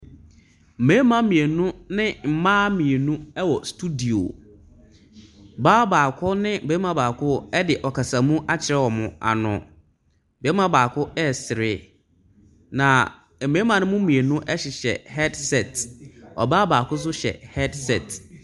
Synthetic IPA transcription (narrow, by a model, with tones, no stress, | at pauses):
m̩˨mẽ˨˦mã˦mĩ˨e˨nũ˦nɪ̃˦m̩˨mãː˦mĩ˨e˨nũ˦ɛ˦wɔ˨stʰu˦di˨o̰˨ | baː˦baː˨kʰʊ˦nɪ̃˦˨beː˦mã˨baː˨kʰʊ˦ɛ˦dɪ˨ʔɔ˨kʰa˨sa˨mũ˦ʔa˦t͡ɕʰɪ˨ɾɛ˦˨wɔ˨mʊ̃˨a̰˨nʊ̰̃˨ | beː˨˦mã˦baː˨kʰʊ˦ɛ˦˨sɪ˨ɾɪ˦ | nã˨ | mẽ˦mã˨nʊ̃˦mʊ̃˦mĩ˨e˨nũ˦ʔɛ˦ɕɪ˨ɕɛ̰˨hɛ˦dsɛ˨tɔ̰˨baː˦baː˨kʰʊ˦s̬ʊ˦ɕɛ̰˨hɛ˦dsɛ˦˨t